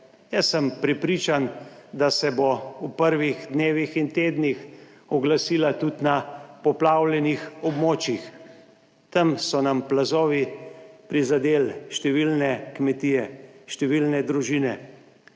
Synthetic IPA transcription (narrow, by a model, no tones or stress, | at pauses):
jəsːəmpɾɛpɾiːt͡ʃand̪asɛboupəɾʋiɣd̪neːʋixint̪eːd̪nix | ɔɡlasiːlat̪ut̪napɔplaːwlɛnixɔbmoːt͡ʃix | t̪əmsɔnamplazoːʋipɾizad̪eːlʃt̪ɛʋilnɛkmɛt̪iːjɛʃt̪ɛʋiːlnɛd̪ɾuʒiːnɛ